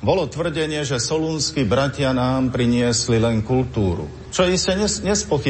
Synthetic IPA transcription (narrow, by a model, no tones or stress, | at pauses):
bɔlɔt̪ʋr̩ɟɛɲɪɛʒɛsɔluːnskibɾacɪanaːmpɾiɲɪɛslilɛŋkult̪uːɾṵ | t͡ʃɔiscɛɲɛɲɛspɔxi